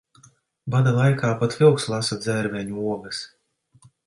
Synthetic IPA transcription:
bad̪alˠajkaːpat̪vʲɛwkslˠasad̪zʲɛɾmʲɛɲuuɔɡɐs

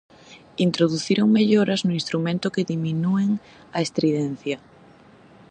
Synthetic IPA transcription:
int̪ɾoðuθiɾoŋmeʎoɾɐznʊinst̪ɾumẽnt̪ʊkeðiminueŋ | ɐest̪ɾiðɛn̟θjɐ

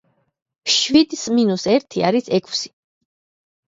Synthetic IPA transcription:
ʃwid̪sminusɛɾt̪ʰia̰ɾisɛkʰsi̥

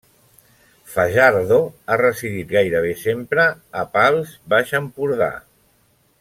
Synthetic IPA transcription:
faʒaɾðoarəsiðit̪ɣajɾəβ̞esempɾəːpalˠzbaʃəmpuɾða̰

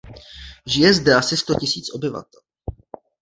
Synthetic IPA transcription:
ʒɪjɛzdɛasɪst̪o̞cɪsiːt͡sʔo̞bɪva̰t̪ɛl

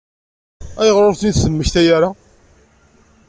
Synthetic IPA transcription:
æjəʁɾˤʊɾθniðsəmːəçt̪æjaɾa

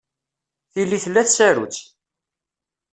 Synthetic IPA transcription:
θilːiθəlːæθsæɾṵt͡sː

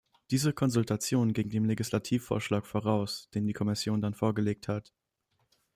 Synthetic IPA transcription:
d̥iːzəkʰɔnzʊltʰat͡sjoːnɡɪɡŋ̩deːmleɡislatʰiːfo̰ːɐʃlaːkfoːʁaʊsd̥eːndiːkʰɔmɪsjoːndanfoːɐɡəleːk̚that

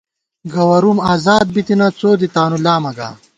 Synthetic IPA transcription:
ɡɐwɐɾumaːzaːd̪̚bit̪inɐt͡soːd̪it̪aːnulaːmɐɡa̰ː

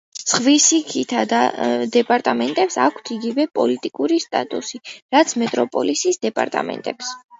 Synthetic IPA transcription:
sχvisikʰit̪ʰad̪ad̪ɛpʼaɾt̪ʼamɛnt̪ʼɛpsakʰt̪ʰiɡivɛpʼɔlit̪ʼikʼuɾist̪ʼat̪ʼusiɾat̪sʰmɛt̪ʼɾɔpʼɔ̰lisisd̪ɛpʼa̰ɾt̪ʼa̰mɛ̰nt̪ʼɛps

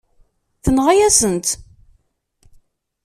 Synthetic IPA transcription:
θənʁajæsənt̪

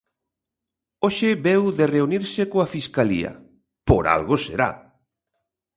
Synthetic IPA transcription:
oʃɪβewðereuniɾsɪkoafiskalḭɐ̰ | poɾa̰lɣʊsḛɾa̰

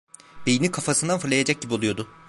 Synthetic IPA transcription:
b̥ejinikʰafasɯnd̪anfɯɾlˠajad͡ʒac̚ɟibiolˠujo̞d̪ʊ

